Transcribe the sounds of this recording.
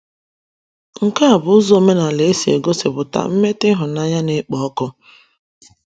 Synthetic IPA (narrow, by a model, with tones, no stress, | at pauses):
ŋ̩˨ka˦a˨bʊ˨ʊ˦zo˦me˦na˨le˨e˦si˨ḛ˨ɡo˦sɪ̰˨bʊ˨ta̰˨m̩˦me˦tɪ˦ɦʊ˨na˦ɲa˦ne˦k͡pɔ˨ɔ˦kʊ˦